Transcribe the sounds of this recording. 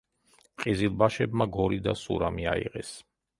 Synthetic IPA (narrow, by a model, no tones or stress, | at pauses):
qʼizilˠbaʃɛbmaɡɔɾid̪asṵɾamiaḭʁɛs